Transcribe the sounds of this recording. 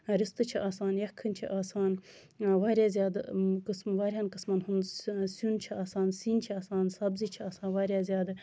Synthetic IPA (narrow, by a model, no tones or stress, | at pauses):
ɾist̪ɨt͡ʃʰiʔaːsaːnjɐkʰːɨnʲt͡ʃʰiʔaːsaːn | ʋaːɾʲjaːzʲjaːd̪kɨsmʋaːɾʲɦaːnkɨsmɐnɦunsunt͡ʃʰiaːsaːnsiːnt͡ʃʰiaːsaːnsɐbzit͡ʃʰiaːsaːnʋaːɾjaːzʲjaːd̪ɨ